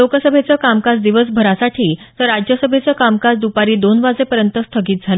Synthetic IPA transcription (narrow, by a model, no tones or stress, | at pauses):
okəsəbʱet͡səkamkasd̪iʋəsbʱəɾasaʈʰiːt̪əɾːad͡ʑjəsəbʱet͡səkamkad͡zd̪upaɾiːd̪onʋad͡zepəɾjənt̪əst̪ʰəɡiːt̪̚d͡zʱalə